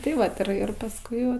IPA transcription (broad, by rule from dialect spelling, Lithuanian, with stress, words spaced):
tɐɪ ˈʋɐt ɪr ˈɪr pɐsˈkʊɪ ˈʋɐ